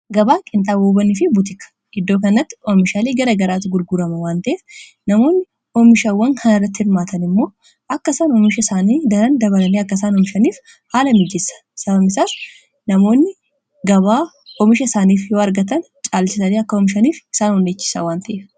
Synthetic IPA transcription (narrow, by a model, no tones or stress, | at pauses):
ɡɐbaːkʼɪnt̪ʼaːboːbɐnɪfɪbʊt̪̬ɪkɐ̥ | ʔɪd̪ːoːkɐnɐt̪ːɪ̥ɔmɪʃaːleːɡɐɾɐɡɐɾaːt̪ːɪɡʊɾɡʊɾɐmɐwaːnt̪ɐʔeːf | nɐmo̞ːnːɪ | ɔmɪʃawːɐŋkʰɐnɪrːɐt̪ːɪhɪɾmaːt̪ɐnɪmːo̞ː | ʔɐkːɐsaːnɔmɪʃɐɪsaːniːd̪ɐɾɐnd̪ɐβɐlɐneɐkːɐs̬aːnɔmɪʃɐniːf | haːlɐmɪd͡ʒɛsːɐ̥sɐbɐmɪsaːs | nɐmo̞ːnːɪ | ɡɐβaː | ɔmɪʃɐɪsaːniːfjoːɐɾɡɐt̪ɐn | t͡ʃʼaːlt͡ʃɪsɐleːɐkːɐɔmɪʃɐniːfɪ̥saːnɔnːeːt͡ʃːɪ̥sa̰waːnt̪ɐʔeːf